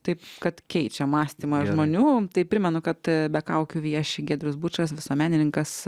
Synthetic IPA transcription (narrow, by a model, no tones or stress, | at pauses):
t̪ɐɪpkɐt̪kʲɛɪt͡ʃʲɛmɑːsʲt̪ʲiːmɐʒmoːnʲuːt̪ɐɪpʲɾʲɪmʲɛnʊkɐt̪bʲɛkɐʊkʲʊʋiɐʃʲɪɡʲeːd̪ʲɾʲʊsbut͡ʃɐsʋʲɪsoːmʲæːnʲɪnʲɪŋkɐs